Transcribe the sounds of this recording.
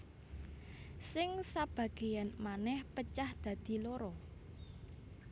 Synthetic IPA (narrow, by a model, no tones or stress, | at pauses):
sɪŋsab̥ä̤ɡ̥e̤janmanɛhpət͡ʃahd̪̥ä̤d̪̥i̤loɾɔ